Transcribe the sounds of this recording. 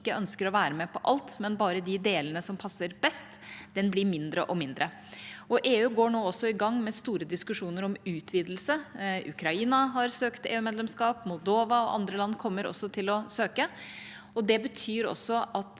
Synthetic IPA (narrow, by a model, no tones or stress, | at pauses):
kːəʔœnskəɾɔʋæːɾəmɛpʰɔʔɑlt̪mɛnbɑːɾəd̪ɪd̪eːlənəsɔmpʰɑsːəɾbɛst̪d̪ɛnblɪmɪnd̪ɾə̰ʔɔmɪnd̪ɾə | ɔʔeːʉːɡoːɳoːɔsːɔɪɡɑŋːmɛst̪uːɾəd̪ɪskʉʂuːnəɾɔmʉːt̪ʰʋiːd̪lsəʉ̰kʰɾɑiːnɑɦɑɾsøːkt̪ḛːʉːmeːd̪lɛmskɑːpmʊlˠd̪oːʋɑɔʔɑ̰nd̪ɾəlɑnːkʰɔmːəɾɔ̰sːɔt̪ʰɪlɔsøːkə | ɔd̪ɛbət̪ʰyːɾɔ̰sːɔɑt̪